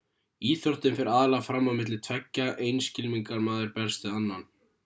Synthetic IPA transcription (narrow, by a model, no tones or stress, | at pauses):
iːθjɔw̥t̪ɪnfɪɾaːðɪlaɣfɾamːamɪt̪lɪt̪ʰvɛcːaʔejnscɪlmiŋkaɾmaːðɪɾpɛl̥st̪ɪðanːan